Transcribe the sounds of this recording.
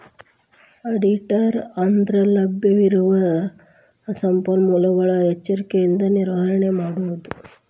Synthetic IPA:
ɐɖiʈɐɾɐnd̪ɾɐlɐbjɐʋiɾuʋɐ | sɐmpɐnmulɐʋɐɭɐɛt͡ʃːɐɾikejind̪ɐniɾʋaɾɐɳemaːɽuʋɐd̪u

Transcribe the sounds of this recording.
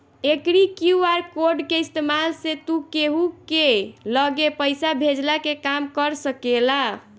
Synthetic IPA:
ekɾikjuaɾkoɾɖkeist̪emalset̪ukeɦukeləɡepəjsabʱed͡ʒlakekamkəɾsəkela

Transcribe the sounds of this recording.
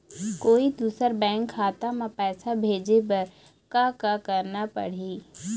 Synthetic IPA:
koːid̪uːsəɾbɛ̃ːŋkʰːaːt̪amãpɛːsabʱeːd͡ʒep̬ɐɾ | kakakəɾnapə̰ɽ̤iː

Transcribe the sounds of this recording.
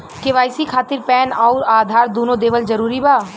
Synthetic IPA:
keʋaːɪsikʰaːt̪ɪɾpɛːnaːʊɾaːd̪ʱaːɾd̪oːnõd̪eːʋəld͡ʒɐɾuːɾibaː

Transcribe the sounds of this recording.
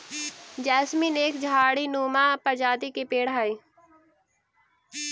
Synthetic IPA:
d͡ʒɛːsmineːkd͡ʒʱaːɽinuːmapəɾd͡ʒaːd̪ikepeːɽɦai

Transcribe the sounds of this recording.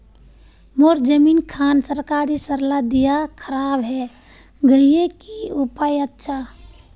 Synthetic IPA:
moːɾd͡ʒəmiːnkʰaːnsəɾkaːɾisəɾlad̪ijakʰəɾaːbɦɛ | ɡəijekiupaːjətːʃʰa

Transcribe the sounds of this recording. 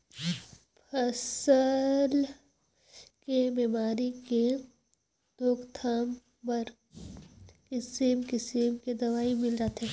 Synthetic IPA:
pʰəsəl | kebeːmaːɾike | d̪oːkt̪ʰaːm | pɐɾ | kɪsiːmkɪseːmked̪ɐʋaːimɪlɾat̪ɛː

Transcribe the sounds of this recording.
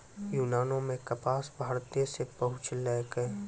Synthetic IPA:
juːnaːnõmẽkɐpaːsbʱaːɾt̪ijesepɐɦʊ̃t͡ʃʰlɛːɡəe

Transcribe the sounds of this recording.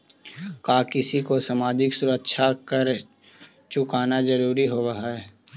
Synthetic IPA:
kaːkɪsikosaːmaːd͡ʒɪksʊɾəkʃʰakɐɾ | t͡ʃʊkaːnazɐɾuːɾiɦoɾɐɦaɦɛː

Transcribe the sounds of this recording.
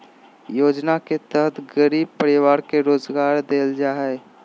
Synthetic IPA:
joːd͡ʒnaket̪əɦət̪ʰɡəɾiːb̚pəɾɪwaːɾkeɾoːzɡaːɾd̪eːld͡ʒaːɦɛː

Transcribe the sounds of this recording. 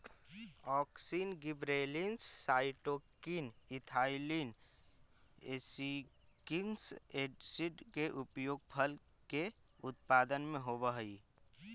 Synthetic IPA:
ɔːksiːnɡɪbɾeːlinsːaːɪʈoːkinɪt̪ʰaːilin | esi | kɪŋɡseːɖsiɖkeʔʊpjoːɡ̚pʰəl | ke | ʊt̪paːd̪ənmẽɦobəɦi

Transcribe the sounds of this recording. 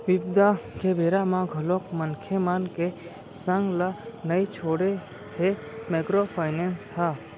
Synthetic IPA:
ʋɪbd̪akʰebʱeːɾamãɡʱəlokmənkʰemanke | sə̃ŋɡlanəit͡ʃʰoːɽe | ɦe | meːkɾopʰaːɪneːnsha

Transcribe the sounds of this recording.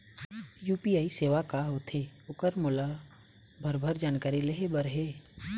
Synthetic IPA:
juːpiaːiseːʋakaɦot̪ʰe | ʊkəɾmʊla | bʱəɾbʱəɾd͡ʒaːnkaːɾileɦebəɾɦeː

